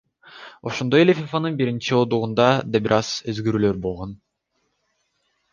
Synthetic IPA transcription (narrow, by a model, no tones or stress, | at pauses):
o̞ʃond̪ojelʲefʲifanɯnbiɾint͡ʃiod̪uʁund̪ɑd̪ɑbiɾʔɑz̥øzɡøɾyːlø̞ɾbolˠʁon